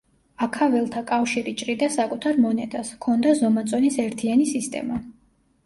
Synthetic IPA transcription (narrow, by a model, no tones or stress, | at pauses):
akʰavɛlˠt̪ʰakʼafʃiɾit͡ʃʼɾid̪asakʼut̪ʰaɾmɔnɛt̪ʼaskʰɔnd̪azɔmat̪sʼɔnisɛɾt̪ʰianisist̪ʼɛ̰ma